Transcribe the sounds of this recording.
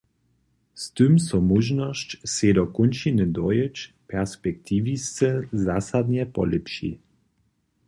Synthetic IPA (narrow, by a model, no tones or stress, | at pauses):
st̪ɨmsɔmuʒnɔst͡ɕsedɔkunt͡ʃinəd̪ɔjət͡ʃ | pɛʁspɛk̚t̪ʰivist͡səzasad̪ɲɛpɔ̰ləpʃḭ